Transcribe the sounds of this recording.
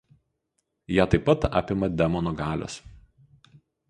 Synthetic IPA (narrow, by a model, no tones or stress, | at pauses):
jæːt̪ɐɪpːɐt̪ɑ̰ːpʲɪmɐd̪ʲɛmɔnɔɡɑːlʲo̰ːs